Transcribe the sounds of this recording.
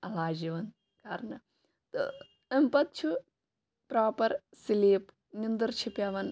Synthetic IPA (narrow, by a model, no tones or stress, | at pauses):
ɐlaːd͡ʒiʋɐn | kaːɾnɐ | t̪o̰ | ɐmpɐt̪̚t͡ʃʰu | pɾaːpɐɾ | siliːp | nind̪ɐɾt͡ʃʰipjɐʋɐn